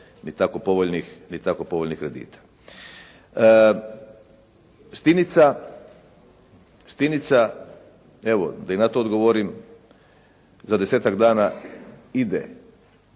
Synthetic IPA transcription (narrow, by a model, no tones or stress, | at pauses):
nit̪akopo̞ʋoʎnixnit̪akopoʋoʎnixkːɾe̞d̪ḭːt̪ḁ | st̪init̪sa | st̪init̪sa | eʋo̰d̪ainat̪oːd̪ɡo̞ʋoɾim | zad̪e̞se̞ːt̪aɡd̪aːna | id̪ḛ